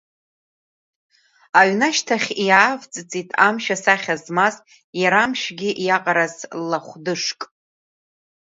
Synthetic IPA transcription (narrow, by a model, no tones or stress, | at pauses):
aɥnaʃtʰaχʲiaavt͡sʼɨt͡sʼitʼʰamʃasaχʲazmaz | jaɾamʃɡʲɪʔjaqʼaɾazlːaχʷdɨʂkʼ